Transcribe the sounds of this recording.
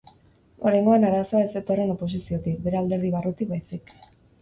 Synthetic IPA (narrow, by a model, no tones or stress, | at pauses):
o̞ɾajŋɡo̞anaɾasoae̞se̞t̪o̞re̞no̞po̞s̬isio̞t̪ik̚be̞ɾeald̪e̞ɾðiβarut̪ikbajsik